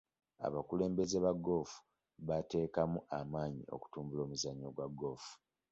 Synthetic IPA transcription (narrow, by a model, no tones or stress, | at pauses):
a̰βakule̞ːmbe̞zeβaɡo̞ːfu̥ | βate̞ːkamuʔamaːɲḭo̞̰ku̥tuːmbulo̞ːmuzaɲːoɡwaɡo̞ːfu̥